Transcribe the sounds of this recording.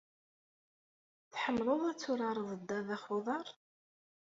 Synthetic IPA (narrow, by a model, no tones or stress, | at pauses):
θħəmːləðˤæt͡sːʊɾɑɾˤəðˤəd̪ːæðæχoðˤɑɾˤ